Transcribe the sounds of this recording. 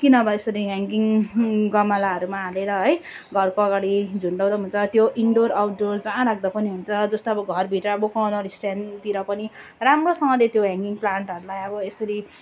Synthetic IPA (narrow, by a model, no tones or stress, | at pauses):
kinʌːbʌesʌɾiɦaŋɡiŋɡʌmalaʌɾumaɦaleɾʌɦʌj | ɡʱʌrkoʌɡaɽid͡zʱuɳɖaw̃d̪aɦunt͡sʰʌt̪joʔiɳɖoɾawʈɖord͡zãːɾak̚ʰd̪ʌpʌniɦunt͡sʰʌd͡zʌst̪oʌbʌɡʱʌrbʱiʈɾʌbokawnʌɾisʈjant̪iɾʌpʌniramrosʌŋʌlet̪joɦãŋɡiŋplaɳʈɦʌɾulajʌbʌesʌɾi